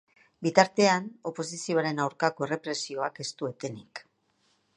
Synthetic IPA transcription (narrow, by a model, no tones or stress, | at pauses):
bit̪aɾt̪e̞ano̞po̞sisio̞aɾe̞nawɾkako̞ere̞pɾe̞sio̞ake̞st̪ue̞t̪e̞nik